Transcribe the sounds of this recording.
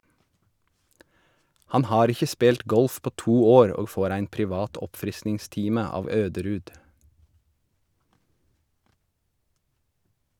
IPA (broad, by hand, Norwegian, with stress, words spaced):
ˈhɑn ˈhɑːɾ ˈɪçə ˈspeːlt ˈɡɔlf ˈpoː ˈtuː ˈoːɾ ˈoː ˈfoːɾ ˈæɪn pɾɪˈʋɑːt ˈɔpfɾɪsnɪŋˌstiːmə ˈɑːʋ ˈøːdəɾʉːd